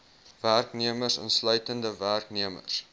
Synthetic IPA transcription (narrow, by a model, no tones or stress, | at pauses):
værkniəmərsɑ̰nslœɥtəndəværkniəmə̰s